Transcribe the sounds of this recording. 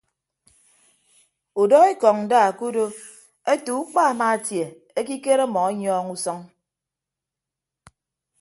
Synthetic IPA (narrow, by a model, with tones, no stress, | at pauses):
u˨dɔ˦e˦kɔ˨ŋn̩˨daː˦˨ku˦do˦ | e˦tu˨u˦k͡pa˦a˨ma˦a˨tje˨ | e˦ki˦ke˦ɾe˦mɔ˨a˦ɲɔː˦ŋu˦sɔ˦ŋ